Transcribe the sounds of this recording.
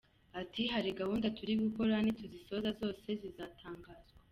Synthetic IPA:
atʰiɦaɾiɡahuːndatuɾiɡuko̞ɾanituziso̞zazo̞ːse̞zizaːtʰaːŋɡaːz̥ɡwa

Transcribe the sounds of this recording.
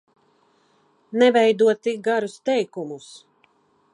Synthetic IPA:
nɛvɛjd̪uɔt̪ːik̚ɡaɾust̪ɛjkumus

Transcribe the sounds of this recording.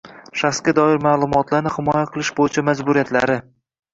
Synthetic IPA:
ʃaχsɡʲad̪ɒɪɾmaːlˠʊmɒt̪laɾnɪhɪmɒjaqʰɨlˠɪʃbojɪt͡ʃʰamad͡ʒbʊɾijat̪ʰla̰ɾɪ

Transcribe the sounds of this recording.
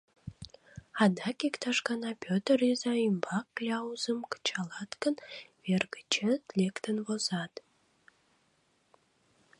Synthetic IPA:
ɑd̪ɑkikt̪ɑʃkɑnɑpʲøt̪ərizɑimbɑkːlʲɑuzəmkə̥t͡ɕɑlɑt̪kənverɡət͡ʃət̪lʲekt̪ənvozɑt̪

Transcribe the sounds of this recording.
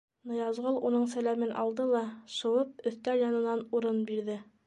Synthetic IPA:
nɤ̆jɑzʁɤlˠunɤɴsælæmɘnɒ̰lˠd̪ɤlˠɑʃɤ̆wɤp̚ɵ̆θt̪æljɒnɤ̆nɑnuɾɤnbiɾðɘ

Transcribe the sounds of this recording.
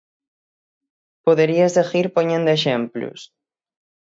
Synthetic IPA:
poðeɾiaezeɣiɾpoɲẽnd̪oeʃ̬emplṵs

